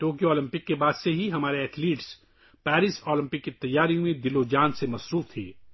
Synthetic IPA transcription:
ʈoːk̬ioɔːlɪ̃mpɪkːebaːd̪seɦiɦɐmaːɾeɛːʈʰliːʈs | pɛːɾɪsɔːlɪ̃mpɪkːit̪ɐjːaːɾijõmẽd̪ɪlod͡ʒaːnsemɐsɾuːft̪ʰḭː

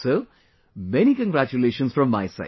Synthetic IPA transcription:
soː | mɛnikə̃nɡɾæt͡ʃuleːʃə̃nsfɾɔ̃mːaɪsa̰ɪ

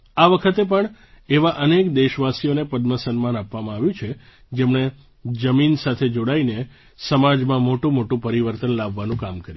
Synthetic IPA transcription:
aʋəkʰət̪epəɳeʋaʔənekd̪eʃʋasionepəd̪məsənmanapʋamãaʋjũt͡ʃʰe | d͡ʒemɳe | d͡ʒəminsat̪ʰed͡ʒoɽaine | səmad͡ʒmãmoʈũmoʈũpəɾiʋəɾt̪ənlaʋːanũkamkəɾj

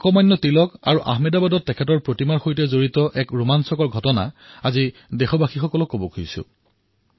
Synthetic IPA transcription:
kɔmajnːɔtilɔka̰ɹuʔa̰ɦmɛdabadɔtːɛkʰɛtɔɹpɹotimaɹxojtɛzoɹitɔʔɛkɹumansɔkɔɹɡʱɔtɔna̰azidɛxɔbaxixɔkɔlɔkobɔkʰojsʊ̰

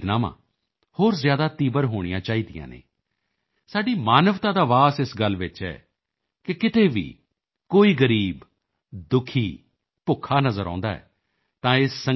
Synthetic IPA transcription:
t̪naːmã̰ː | hoːɾzjaːd̪aːt̪iːbəɾɦoːɽ̃ijãːt͡ʃaːiːd̪ijã̰ːnḛː | saːɖiːmaːnəʋt̪ãːd̪aːʋaːsɪsɡəlːʋɪt͡ʃɛ̰ː | kɪkɪt̪eːʋḭː | koːiːɡəɾiːb | d̪ʊkʰiː | pʊkʰːaːnəzəɾã̰ːnd̪a̰ːɛ̰ː | t̪ãːɪsːə

